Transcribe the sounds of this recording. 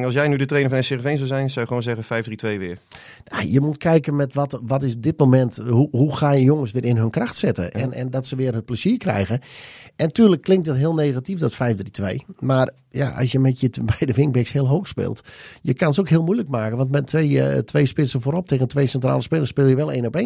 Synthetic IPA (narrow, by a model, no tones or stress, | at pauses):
ɑlˠsjɛjnydətreːnəfɔnəsɪrəfejnzɔwzɛjnsawjəəʋoːnzɛɣəfɛjvdritʋejʋɪə | na̰jəmut̚kʰɛjkənmɛtʋɔtʋɔtɪsb̚dɪt̚momɛntɦuɦuxaːjəjoŋəsʋɪəɾɪnɦɵnkraxtsɪtə̰ʔɛ̰nɛ̰ndɔtsəʋɪərɦət̚pləz̥iːrkrɛ̰jɣən | ɛntyːrləkːlɪŋk̚t̚dɔtɦɪəlˠnejɣatifdɔtfɛjfdritʋḛjmar | ja̰ʔɑ̰sjəmɛtjəbɛjdəʋɪŋk̚bɪkshɪəlˠɦowxspɪ̰ːlˠtjəkanəsokɦɪəlˠmujləkmaːkənʋɑntmɛtʋetʋejspɪsəfoːɾɔp̚tʰeːɣəntʋejsɛntra̰ːlˠəspɪlˠəspɪːlˠjəʋɛlˠḛːnɔpeːn